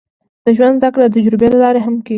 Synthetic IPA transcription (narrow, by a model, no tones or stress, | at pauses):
d̪̥əʒwand̪zd̪akɽad̪əd͡ʒɾubelalɑɾeɦamkeɡ